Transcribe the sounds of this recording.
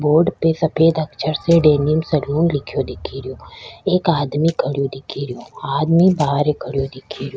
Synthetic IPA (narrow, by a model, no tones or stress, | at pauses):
boːɾɖpesɐpʰeːd̪ɐkt͡ʃʰəɾseɖeːnijəmsɐluːnlɪkʰjod̪ɪkʰiɾijoːeːkaːd̪mikʰɐɽijod̪ɪkʰiɾɪjoaːd̪mibaːɦəɾekʰəɽjod̪ɪkʰiɾijoː